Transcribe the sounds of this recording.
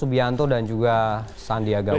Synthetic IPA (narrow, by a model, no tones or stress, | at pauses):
ubiant̪odand͡ʒuɡa | sandiaɡa